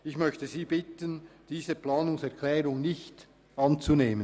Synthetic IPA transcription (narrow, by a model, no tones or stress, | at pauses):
ɪçmœçtəziːbɪtənd̥iːzəplɑːnʊŋsɛɐkʰlɛːʁʊŋnɪçt | ɑnt͡suneːmən